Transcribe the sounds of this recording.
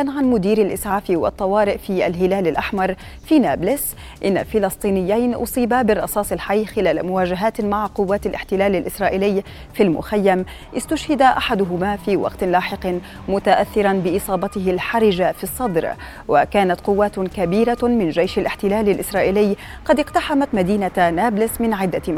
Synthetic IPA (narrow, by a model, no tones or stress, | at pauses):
ʔanʕanmʊd̪iːɾalʔɪsʕaːfiwɑ̰t̪ˤːɑwɑːɾɪʔfiːʔalɦɪlaːlalʔaħmɑɾˤ | fiːnaːblɪs | ʔɪnːa̰fɪlɑsˤt̪ˤiːnɪjːajnʔʊ̰sˤiːbabɪrˤːɑsɑːsˤɪlħajːxɪlaːlamʊwaːʒaɦaːt̪maʕqʊwːaːt̪alʔɪħt̪ɪlaːlalʔɪsɾˤɑːʔiːlɪjː | filmʊ̰xajːam | ʔɪst̪ʊʃhɪd̪aʔaħad̪ʊɦʊmaːfiːwɑ̰qt̪laːħɪq | mʊt̪aʔaθːɪɾanbɪʔɨsˤɑːbɑt̪ɪɦɪlħaɾɪʒafisˤːɑd̪ɾ | wa̰kaːnat̪qʊwːaːt̪kabiːɾamɪnʒajʃalʔɪħt̪ɪlaːlalʔɪsɾˤɑːʔiːlɪjː | qɑd̪ɪqt̪aħamat̪mad̪iːnanaːblɪsmɪnʕɪd̪ːa